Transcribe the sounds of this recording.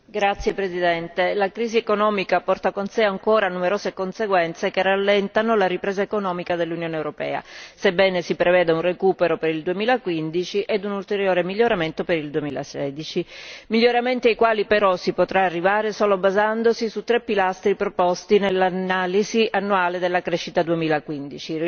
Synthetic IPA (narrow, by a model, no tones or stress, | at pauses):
ɡɾat̪sːjepɾezid̪ɛnt̪elakɾiːziekonɔːmikapɔrt̪akonseaŋkoːɾanumeɾoːzekonseɡwɛnt̪sekerːalːɛnt̪anolaɾipɾeːzaekonɔːmikad̪elːunjoːneewɾopɛ̰ːa̰sebːɛːnesipɾevɛːd̪eunrekuːpeɾopeɾild̪uemiːlakwind̪it͡ʃiʔɛd̪unult̪eɾjoːɾemiʎːoɾament̪opeɾild̪uemiːla̰sɛːd̪it͡ʃimiʎːoɾament̪iajkwaːlipeɾɔsipot̪ɾaːrːivaːɾesoːlobazand̪osisut̪ːɾepːilast̪ɾipɾopɔst̪inelːanaːliziʔanːuaːled̪elːakɾɛʃːit̪ad̪uemiːlakwind̪it͡ʃi